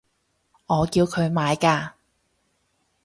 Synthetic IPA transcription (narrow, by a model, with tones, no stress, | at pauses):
ŋɔː˨˧kiː˧wkʰɵ˨˧ɥmaː˨˧jkaː˧